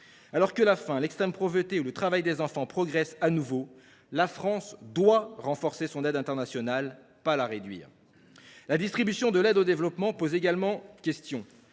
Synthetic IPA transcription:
alɔʁkəlafɛ̃lɛkst̪χɛmpχɔvət̪eulət̪χavajd̪ezɑ̃fɑ̃pχɔɡʁɛsanuvo | lafχɑ̃sd̪waʁɑ̃fɔʁsesɔ̃nɛd̪ɛ̃t̪ɛʁnasjɔnal | palaʁed̪ɥḭːʁ | lad̪ist̪χibysjɔ̃d̪əlɛd̪od̪evlɔpmɑ̃pozeɡalmɑ̃kʲɛst̪jɔ̃

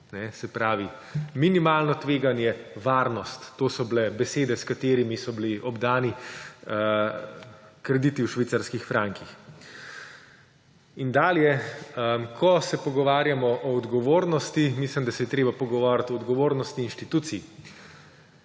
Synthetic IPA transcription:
nɛsɛpɾaːʋi | minimaːlnɔt̪ʋeːɡanjɛʋaːɾnɔst̪ːoːsɔblɛbɛseːd̪ɛskat̪eːɾimisɔbliʔɔbd̪aːni | kɾɛd̪it̪iwʃʋit̪saɾskixfɾaːŋkix | ind̪aːljɛəkʰɔsɛpɔɡɔʋaːɾjamɔʔɔːd̪ɡɔʋoːɾnɔst̪imislimd̪asɛjɛt̪ɾeːbapɔɡɔʋaɾat̪ɔːd̪ɡɔʋoːɾnɔst̪iːnʃt̪it̪uːt̪si

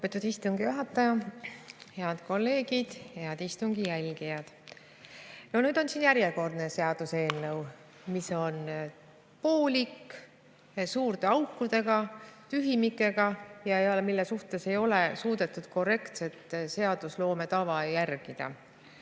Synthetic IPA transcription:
lopːˑe̞t̪ːˑud̪̥ist̪uŋɡijuɦɑt̪ːˑɑjɑ | he̞ɑd̪ko̞lːe̞ːɡ̥id̪̥he̞ɑd̪ist̪uŋɡijælʲɡ̥ijɑd̪̥ | no̞nyːd̪o̞nsiːnjæɾjeko̞rd̪ne̞se̞ɑd̪̥use̞ːnːɤw | miso̞n | po̞ːlʲikː | suːrt̪eɑwkˑːud̪̥e̞ɡ̥ɑt̪yɦimikːˑe̞ɡ̥ɑjɑejɑlmilːesuht̪e̞se̞jo̞lesuːd̪̥e̞t̪ːˑud̪̥ko̞re̞kt̪se̞t̪ːˑse̞ɑd̪̥uslo̞ːme̞t̪ɑvɑjærɡ̥id̪̥ɑ̰

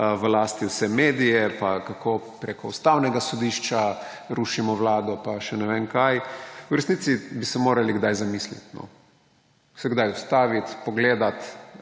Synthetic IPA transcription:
ʋlaːst̪iwsɛmeːd̪ijɛpakakʰoːpɾekɔust̪awnɛɡasɔd̪iʃt͡ʃa | ɾuʃimɔʋlaːd̪ɔpaʃɛnɛʋenkajwɾɛsniːt̪sibisɛmoːɾaliɡd̪ajzamislḭt̪nɔ̰ | sɛɡd̪ajust̪aːʋit̪pɔɡleːd̪at̪

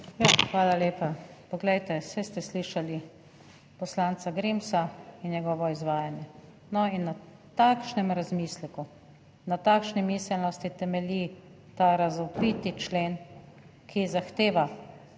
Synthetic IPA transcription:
jaxʋaːlaleːpapɔɡlɛjt̪ɛsɛst̪ɛsliːʃali | pɔslaːnt͡ssaɡɾimsainjɛɡɔːʋɔizʋaːjanjɛ | nɔinːa | t̪aːkʃnɛmɾazmislɛku | nat̪aːkʃnimiːsɛlnɔst̪it̪ɛmɛlʲi | t̪aɾazɔpɾiːt̪it͡ʃleːn | kʰizaxt̪eːʋa

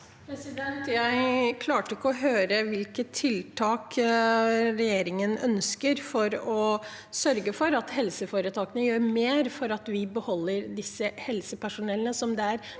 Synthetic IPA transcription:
pʰɾɛsɪd̪ɛnt̪jæɪkʰlɑːʈəɪkːəɔɦøːɾəʋɪlkət̪ʰːɪlt̪ʰɑːk | ɾɛjeːɾɪŋənœnskəɾfɔɾɔ | sœɾɡəfɔɾɑt̪hɛlsəfoːɾət̪ʰɑːkənəjøːɾmeːɾfɔɾɑt̪ʋɪbəhɔlːəɾd̪ɪsːəhɛlsəpæʂʊnɛlənəsɔmd̪ɛæɾ

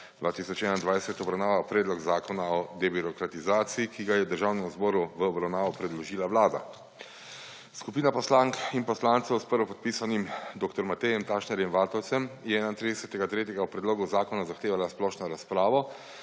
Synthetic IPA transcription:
d̪ʋaːt̪isɔt͡ʃɛnaind̪ʋajsɛt̪ɔbɾawnaːʋapɾɛːd̪lɔɡzaːkɔnaɔd̪ɛbiɾɔkɾat̪izaːt̪sijikiɡajɛd̪əɾʒaːwnɛmzbɔːɾuʋəːbɾawnaːʋɔpɾɛd̪lɔʒiːlaʋlaːd̪a̰ | skupiːnapɔslaːŋkinpɔslaːnt̪sɛwspəɾʋɔpɔt̪̚piːsanimd̪oːkt̪ɔɾmat̪ɛjɛmt̪aːʃnɛɾjɛmʋaːt̪ɔwt̪sɛmjɛɛnaint̪ɾid̪ɛsɛt̪ɛɡat̪ɾeːt̪jɛɡaɔpɾɛd̪loːɡuzaːkɔnazaxt̪eːʋalasplɔːʃnɔɾaspɾaːʋɔ

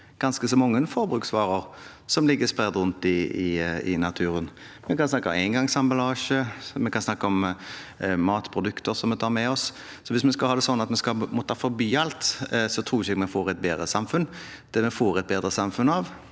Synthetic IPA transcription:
ɡ̥ɑnskəsɔmːɔŋːənfɔɾbɾʁʉːksʋɑːʁəʁ | sɔmlɪɡːəspʁɛd̪ʁʉnt̪ɪɪɪ̰nɑt̪ʰʉːɾən | mɛkɑnsnɑkːəmæɪŋɡɑŋsɑmbɑlɑːʂəmɛkʰɑnsnɑkːəɔm | mɑːt̪pʰɾʊd̪ʉkt̪əɾsɔmɛt̪ʰɑːʁmɛɔs | sɔʋɪsmɛskɑlhɑːd̪ɛsɔnːɑt̪mɛskɑmɔt̪ʰːɑːfɔɾbyːɑlt̪sɔt̪ʰɾuːɪçəɛɡmɛfoːʁɛt̪̚beːd̪ɾəsɑmfʉn | d̪̥ɛmɛfoːɾɛt̪̚beːd̪ɾəsɑmfʉnɑʋ

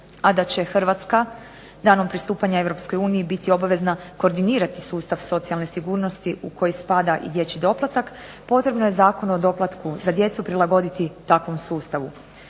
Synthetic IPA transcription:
ad̪at͡ɕe̞xrɾʋat̪ska | d̪aːno̞mpɾist̪uːpaɲae̞ʋɾo̞psko̞juːnijibit̪io̞baʋe̞znako̞ːɾd̪iniːɾat̪isuːst̪aʋso̞t̪sialˠne̞siɡuːɾno̞st̪iuko̞jispad̪aʔḭd̪je̞t͡ɕid̪o̞plˠat̪ak | po̞t̪ɾe̞bnojezaːko̞nod̪o̞plˠat̪kuzad̪je̞t̪supɾilˠaɡo̞d̪it̪it̪akʋo̞msuːst̪aʋu

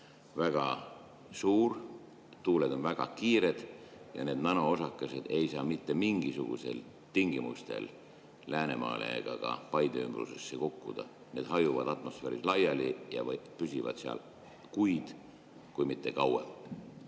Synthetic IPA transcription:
væɡ̥ɑ | suːɾ | t̪uːled̪o̞nvæɡ̥ɑkiːɾe̞d̪̥ | jɑ̰ne̞ːd̪nɑnoosɑkːˑese̞d̪̥e̞jsɑːmit̪ːe̞miŋɡisuɡ̥ṵse̞̰l | t̪iŋɡimust̪e̞̰l | læːne̞mɑ̰ːlḛɡ̥ɑ̰ɡ̥ɑ̰pɑjd̪eymb̥rṵse̞sːekukːud̪̥ɑ̰ | ne̞ːd̪̥hɑjuvɑd̪̥ɑt̪ˑmo̞sfeːɾislɑjɑlijɑ̰pysivɑ̰d̪̥seɑ̰l | kujd̪̥ | kujmit̪ːe̞kɑwḛl

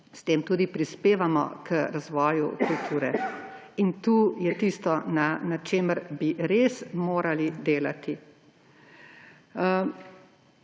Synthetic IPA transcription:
st̪eːmt̪uːd̪ipɾispeːʋamɔ̰kəɾazʋɔːjṵkult̪ʰuːɾɛ | int̪uːjɛt̪iːst̪ɔnanat͡ʃeːməɾbiɾeːsmoːɾalid̪eːlat̪i

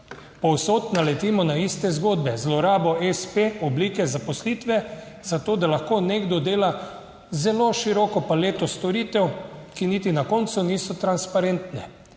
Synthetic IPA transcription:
pɔwsoːt̪nalɛt̪iːmɔnaist̪ɛzɡoːd̪bɛzlɔɾaːbɔespeɔbliːkɛzapɔsliːt̪ʋɛ | z̥at̪oːd̪alaxkoneːɡd̪ɔd̪eːla | zɛloʃiɾɔkɔpaleːt̪ɔst̪ɔɾiːt̪ɛwkinit̪inakɔnt̪suniːsɔt̪ɾanspaɾent̪nɛ

